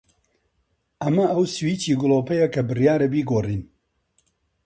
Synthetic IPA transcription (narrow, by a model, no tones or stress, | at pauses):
ʔɐmɐɐwswiːt͡ʃiːɡʊlˠoːpɐjɐkʰɐbɨrjaːɾɐbiːɡoːriːn